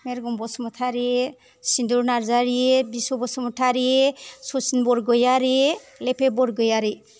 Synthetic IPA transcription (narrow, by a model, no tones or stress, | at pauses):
meɾɡɔmbɔsɔmɔtʰaɾi | sinduɾnaɾzaɾibisɔbɔsɔmɔtʰaɾisɔsinbɔɾɡɔjaɾi | lepʰebɔɾɡɔjaɾi